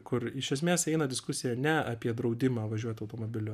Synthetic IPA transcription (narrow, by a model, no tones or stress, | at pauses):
kʊɾɪʃʲɛsʲmʲeːsɛɪnɐdʲɪskʊsʲɪjɛnʲɛɐpʲiɛd̪ɾɒʊd̪ʲɪmaːʋɐʒʲuɔt̪ʲɐʊt̪oːmoːbʲɪlʲʊ